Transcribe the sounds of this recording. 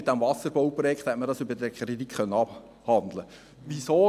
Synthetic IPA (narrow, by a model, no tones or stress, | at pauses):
ɪt̚d̥æmvɑsəɾbɔwpɾɔjɛkt̪hɛtməɾdɑːsʏbədɛkʰɾit̪ikχœnːəɑb | hɑnd̪lə | ʋisoː